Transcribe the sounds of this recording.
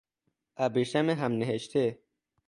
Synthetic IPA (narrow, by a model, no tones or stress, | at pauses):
abiʃameɦamneɦeʃt̪ʰe